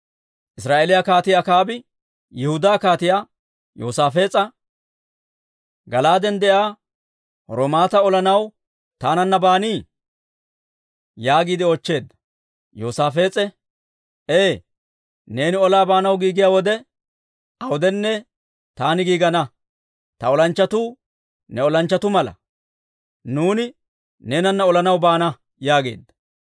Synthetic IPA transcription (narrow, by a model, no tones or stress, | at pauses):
ʔɪsɾaːʔelɪjakaːt̪ɪjaːkaːbɪ | jɪhʊd̪aːkaːt̪ɪjaː | jo̰ːsaːfe̞ːt͡sʼɐ | ɡɐlaːd̪ɛnd̪ɛʔaː | ɾɔmaːt̪ɐɔlɐnɐw | t̪aːnɐnːɐbaːniː | jaːɡiːd̪ɪɔt͡ʃːe̞ːd̪ɐ̥ | joːsaːfe̞ːt͡sʼɛ | eː | ne̞ːnɪɔlaːbaːnɐwɡiːɡɪjaːwɔd̪ɛ | ɐwʊd̪ɛnːɛ | t̪aːnɪɡiːɡɐnɐ | t̪ɐɔlɐnt͡ʃːɐt̪uː | nɛɔlɐnt͡ʃːɐt̪ʊmɐlɐ̰ | nuːnɪ | ne̞ːnɐnːɐɔlɐnɐwbaːnɐ | jaːɡe̞̰ːd̪ːɐ̥